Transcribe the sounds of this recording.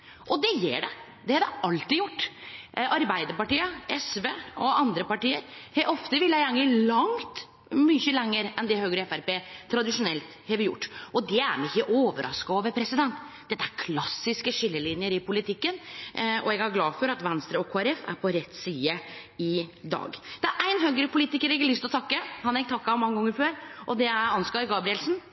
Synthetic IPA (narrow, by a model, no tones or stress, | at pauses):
ʔɔd̪ɛjḛːɖɛ | d̪ɛhɑd̪ɛʔɑlt̪ɪjʊʈːɑɾbæɪd̪əɾpɑʈiːəɛsʋeːɔɑnd̪ɾəpɑʈiːəɾhɛʔɔft̪əʋɪlːəæŋəlɑŋt̪ | mʏçəlɛŋːəɾɛnd̪ɛɦhøːɡɾəɛfæɾpeːt̪ʰːɾɑd̪ɪʂʊnɛlt̪hɛːʋɾjʊ̰ʈːʔɔd̪ɛæ̰ɾmɛɪçːəʔoːʋəɾʔɑ̰skɑɑːʋəɾpʰɾɛsɪd̪ɛnt̪ | d̪ɛt̪ːəæɾkʰlɑsːɪskəʂʏlːəlɪnjəɾɪpʰʊlɪt̪ʰɪkːənɔɛɡæɾɡlɑːfɔɾɑt̪ʋɛnst̪ɾəɔkʰoːæɾɛfæ̰ɾpʰɔɾɛt̪ːsiːəɪd̪ɑ̰ːɡd̪̥ɛæɾʔæɪnɦøːɡəɾəpʊliːt̪ɪkəɾɛɡlʏst̪lɔt̪ʰɑkːəhɑnɑɛɪkt̪ʰɑkːɑɔmɑŋːəɡɔŋːəɾføːɾʔɔd̪ɛæɾɑnskɑːɾɡɑːbɾɪɛlsn̩